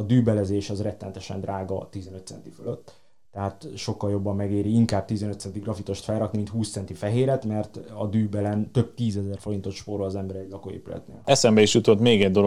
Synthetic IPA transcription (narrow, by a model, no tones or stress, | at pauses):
ɒd̪yːbɛlɛzeːʃɒzrɛt̪ːɛnɛt̪ɛʃɛ̰nd̪raːɡɒt̪izɛnø̞t̪sɛ̰nt̪iføløt̪ː | ɛɦaːt̪ʃo̞kːɒljo̞bːɒmːɛɡeːɾiiŋkaːb̚t̪izɛnøt̪sɛnt̪iɡrɒfit̪o̞ʃt̪fɛlrɒknimint̪huːstsɛnt̪ifɛɦeːɾɛt̪mɛrt̪ɒd̪yːbɛlɛnt̪øb̚t̪iːzɛzɛrfo̞ɾint̪o̞t̪ʃpoɾoɒzɛmbɛɾɛɟʲlɒkoḛːpylɛ̰t̪nḛːlɛsɛmbɛiʃjut̪o̞t̪meːɡɛɟd̪o̞lo